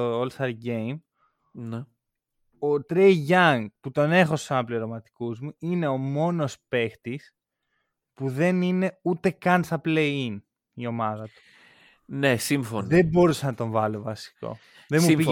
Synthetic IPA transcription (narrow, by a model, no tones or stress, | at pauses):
oolst̪ɐɾɡejm | ne | ot̪ɾejʝɐŋɡput̪o̞ne̞xo̞su̥sɐnɐpleɾomɐt̪i̥kuzmuine̞o̞mo̞no̞spe̞xt̪is | puðe̞nine̞ut̪e̞kɐnsɐplein | io̞mɐðɐt̪u̥ | nesiɱfonebo̞ɾusɐnɐt̪o̞ɱvɐlovɐsi̥ko̞̰ | ðemui